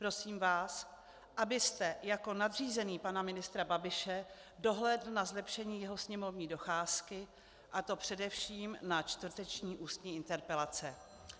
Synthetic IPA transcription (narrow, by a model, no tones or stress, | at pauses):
pɾo̞siːmvaːs | ʔabɪst̪ɛjako̞nad̪r̝iːzɛniːpanamɪnɪst̪ɾababɪʃɛ | do̞ɦlɛdl̩nazlɛpʃɛɲiːjɛɦosɲɛmo̞vɲiːdo̞xaːskɪ | ʔat̪o̞pr̝̥ɛdɛfʃiːmnat͡ʃt̪vr̩t̪ɛt͡ʃɲiːʔuːst̪ɲiːɪnt̪ɛɾpɛlat͡sɛ